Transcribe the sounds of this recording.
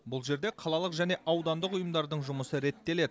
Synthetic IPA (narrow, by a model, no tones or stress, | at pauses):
bʊlˠʒe̞ɾd̪e̞qʰɑlˠɑlˠəqʒæne̞ʔɑwd̪ɑnd̪əqʊjəmd̪ɑɾd̪əɴʒʊməsəɾe̞t̪ːe̞le̞d̪